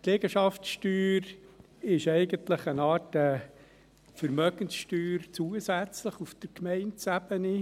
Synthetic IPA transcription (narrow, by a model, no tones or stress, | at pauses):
tlɛɡ̥əʃɑftsʃtyːɾ | ɪʃɛɪɡəntləχənɑːtdə | fəɾmœɡ̥ənsʃtyːɾt͡suəsæt͡sləχufd̥əɾkmɛɪntsæbəni